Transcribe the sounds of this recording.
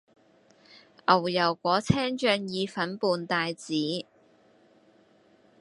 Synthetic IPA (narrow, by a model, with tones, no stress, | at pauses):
ʔɐ˨˩wjɐ˨˩wkʷɔː˨˥t͡sʰɛː˥ŋt͡ʃœː˧ŋjiː˨˧fɐ˨˥npuː˨nt̪aː˨jt͡siː˨˥